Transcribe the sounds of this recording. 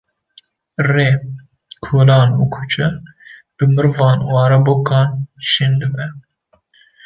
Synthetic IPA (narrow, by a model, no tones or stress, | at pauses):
reː | kʰolɑːnuːkʰut͡ʃʰɛ | b̥ɨmɨɾvɑːnwɑːɾɐboːkɑːnʃind̪ɨbɛ